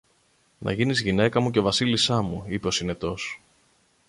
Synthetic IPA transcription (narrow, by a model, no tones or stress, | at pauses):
nɐ̰ʝinizʝine̞kɐmuce̞ovɐsilisɐmuipe̞o̞sine̞t̪o̞s